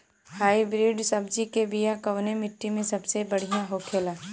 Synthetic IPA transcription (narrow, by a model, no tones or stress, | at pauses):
haːibɾiːɖsɐbd͡ʒikebijakɐʋnemɪʈːimẽsɐbsebɐɽ̤ijãɦoːkʰeːlaː